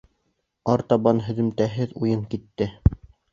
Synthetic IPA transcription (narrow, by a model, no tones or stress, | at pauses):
ɑɾt̪ɑβɑnɦɵ̆ðɘ̆mt̪æɦɘðujɤŋkit̪ːɘ